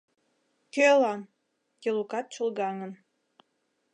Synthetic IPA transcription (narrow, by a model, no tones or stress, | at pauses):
kølɑn | kʲelukɑt̪̚t͡ɕulˠɡɑŋə̆n